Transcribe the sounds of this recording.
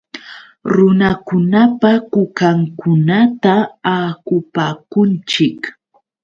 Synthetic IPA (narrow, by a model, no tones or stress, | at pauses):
ɾʊnakʊnapakʊkaŋkʊnat̪aaːkʊpaːkʊnt͡ʃɪk